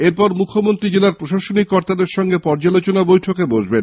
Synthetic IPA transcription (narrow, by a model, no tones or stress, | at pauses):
eɾpɔɾmukʰːomont̪ɾid͡ʑelaɾpɾoʃaʃonikːɔɾt̪ad̪eɾʃɔŋɡepɔɾd͡ʑalot͡ɕonabojʈʰokeboʒben